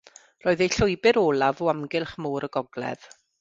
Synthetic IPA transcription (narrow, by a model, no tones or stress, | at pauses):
roːɨðejɬʊɨbɪɾoːlˠavoamɡɪlˠχmuːɾəɡɔɡlˠɛ̰ð̥